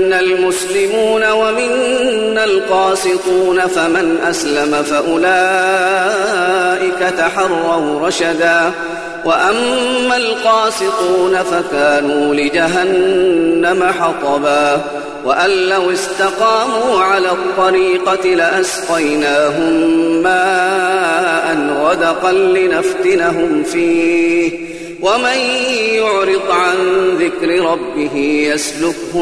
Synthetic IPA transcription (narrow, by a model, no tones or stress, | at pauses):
nːalmʊslɪmuːnawamɪnːalqɑːsɪt̪ˤuːnafamɪnʔaslamafaʔʊlaː | ʔɪkat̪aħɑrˤːɑwɾˤɑʃad̪aː | waʔamːalqɑːsɪt̪ˤuːnafakaːnuːlɪd͡ʒaɦanː | amaħɑt̪ˤɑbaː | waʔalːawɪst̪ɑqɑːmuːʕalaːt̪ˤːɑɾiːqɑt̪ɪlɪʔasqɑjnaːɦʊmːaː | ʔanɾˤɑd̪ɑqɑnlɪnaft̪ɪnaɦʊmfiːh | wamanjʊʕɾɨd̪ˤʕanðɪkɾɪɾˤɑbːɪɦɪjaslʊkhʊm